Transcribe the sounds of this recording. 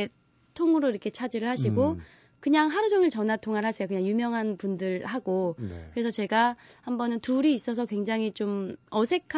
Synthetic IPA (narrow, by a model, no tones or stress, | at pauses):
e | tʰoŋɯɾoiɾʌkʰe̞t͡ɕʰad͡ʑiɾɯɭhaɕʰiɡo | kɯɲaŋɦaɾud͡ʑʌŋiɭt͡ɕʌnatʰoŋaɾɭɦasʰejokɯɲaŋjumjʌŋɦanpundɯɭɦaɡokɯɾe̞sʰʌt͡ɕe̞ɡa | hambʌnɯntuɾiːs͈ʌsʰʌkwe̞ŋd͡ʑaŋɦit͡ɕomʌsʰe̞kʰ